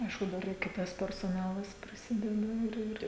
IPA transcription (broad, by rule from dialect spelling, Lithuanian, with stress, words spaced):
ˈɐɪʃkʊ ˈdɐr ɪr ˈkʲɪtɐs pʲɛrsoːˈnɑːlˠɐs pʲrʲɪˈsʲɪdʲɛdɐ ɪr ˈɪr